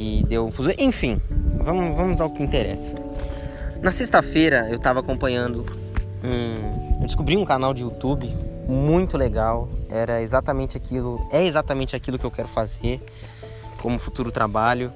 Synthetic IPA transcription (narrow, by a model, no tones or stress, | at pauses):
ɪd̪ewũfuzõʔẽj̃fĩvɐ̃mʊvɐ̃mʊzaʊkɪĩnt̪eɾɛ̰sɐ̥ | nɐsest̪ɐfejɾɐewt̪avɐakõmpɐ̃ɲɐ̃nd̪ʊ | ũewd͡ʒɪ̥skubɾiũkanawd͡ʒɪut̪ubɪmũj̃t̪ʊleɡawɛɾɐezat̪ɐmẽnt͡ʃɪakilʊɛezat̪ɐmẽnt͡ʃɪakilʊkɪewkɛɾʊfazeɾ | kõmʊfut̪uɾʊt̪ɾabaʎʊ